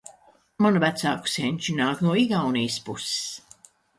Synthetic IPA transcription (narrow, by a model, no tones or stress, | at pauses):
manuvæt̪sa̰ːku̥sʲenʲt͡ʃinaːknuɔiɡawnijspusɪ̥s